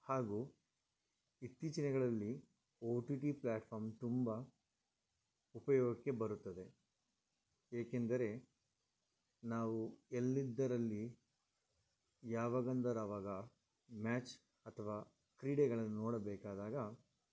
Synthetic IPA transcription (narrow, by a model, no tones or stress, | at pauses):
haːɡuː | it̪ːiːt͡ʃɐnɛɡɐɭɐlːi | oːʈiʈiplaːʈpʰɐːɾmt̪umbɐ | upɐjɔːɡɐkːe̞bɐɾut̪ːɐd̪e̞ | eːkend̪ɐɾe̞ | naːʋuelːid̪ːɐɾɐlːi | jaːʋaːɡɐnd̪ɐɾaːʋaːɡɐ | maːt͡ʃ | ɐt̪ʰɐʋaː | kɾiːɽeɡɐɭɐnːunɔːɽɐbɛːkaːd̪aːɡɐ